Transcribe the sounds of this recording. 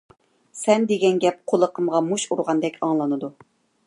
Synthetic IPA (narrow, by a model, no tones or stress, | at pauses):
sɛnd̪eɡʲɛnɡʲɛp̚qʰolˠəqʰəmʁɑmuʃuɾʁɑnd̪ɛkʲʰɑŋlˠɑnɨd̪u